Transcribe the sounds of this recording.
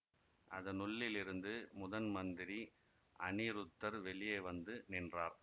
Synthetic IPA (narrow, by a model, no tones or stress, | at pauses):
ʔɐðɐnʊɭːɪlɪɾɯnd̪ɯmʊðɐnmɐnd̪ɪɾi | ʔɐniːɾɯt̪ːɐɾʋɛɭɪjɐɪʋɐnd̪ɯnɪndraːɾ